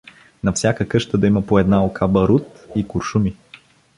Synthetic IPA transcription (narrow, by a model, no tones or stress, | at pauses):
nɐfsʲakəkɤʃt̪əd̪ɐiməpoɛd̪naokʰabɐɾut̪ikʊɾʃumi